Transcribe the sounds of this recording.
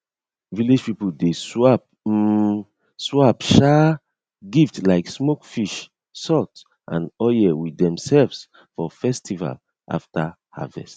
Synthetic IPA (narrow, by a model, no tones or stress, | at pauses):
vilid͡ʒpipudeswap̩̚ | swapʃa | ɡiftlaɪksmokfiʃ | sɔt | ʔã̰nɔjɛwidɛ̃msɛlvs | fɔfɛstʰiva̰l | ʔa̰fta | ha̰vɛ̰st